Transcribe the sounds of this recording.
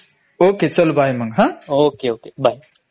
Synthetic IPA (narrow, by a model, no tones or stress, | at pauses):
oːket͡ʃɐlubʱaːjmɐŋɡɦãoːkeoːkebʱaːj